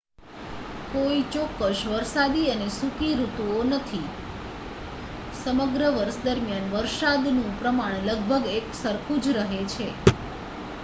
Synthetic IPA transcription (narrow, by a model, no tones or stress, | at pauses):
koit͡ʃɔkːəʃʋəɾsad̪iənesukiɾut̪uonət̪ʰi | səməɡɾəʋəɾʃd̪əɾmjanʋəɾʃad̪nũpɾəmaɳ̃ləɡ̚bʱəɡeksəɾkʰũd͡ʒɾəɦet͡ʃʰe